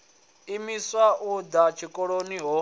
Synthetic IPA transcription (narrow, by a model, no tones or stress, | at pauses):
imiswaʔud̪at͡ʃʰikʼɔɺoniɦɔ